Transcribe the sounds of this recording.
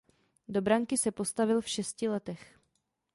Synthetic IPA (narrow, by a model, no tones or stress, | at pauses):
do̞bɾaŋkɪsɛpo̞st̪avɪlfʃɛscɪlɛt̪ɛx